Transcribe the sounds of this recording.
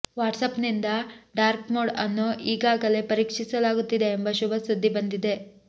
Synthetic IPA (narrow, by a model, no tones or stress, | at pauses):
ʋaːʈsɐpnind̪ɐɖaːɾpmoːɽɐnːuʔiːɡaːɡɐle̞pɐɾiːkʂisɐlaːɡut̪ːid̪e̞ːmbɐʃubɐsud̪ːibɐnd̪id̪e̞